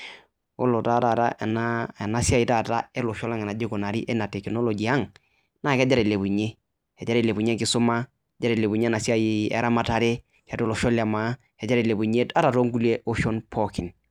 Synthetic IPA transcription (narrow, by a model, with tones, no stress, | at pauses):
o˦lo˨ta˦˨ta˨ɾa̰˦ʔna˦e˨na˦si˦a˦ji˨ta˦˨ta˦ɛ˦lɔ˨ʃɔ˦la˦ŋɛ˨na˨d͡ʒi˦ko˨na˨ɾi˦ʔɛ˦na˨tɛ˨kno˦lɔ˨ɡi˨a˦ŋ | na˦˨kɛ˦d͡ʒa˦ɾɛ˨le˨bu˨ɲe˦ | ɛ˨d͡ʒa˦ɾe˦˨le˨bu˨ɲe˦ŋkɪ˦sʊ˦ma˦ | ɛ˨d͡ʒa˦ɾe˨le˨bu˨ɲe˦na˨sa˦i˨˦ɛ̰˨˦ɾʔa˦ma˦ta˨ɾe˦ | kɛ˨to˦lɔ˨ʃɔ˦la˨ma˨˦ | ɛ˨d͡ʒa˦ɾe˨le˨bu˨ɲe˦ta˦ɾa˨to˦ŋɡu˦le˦ʔo˦ʃɔ˦npʰɔ˦ki˨n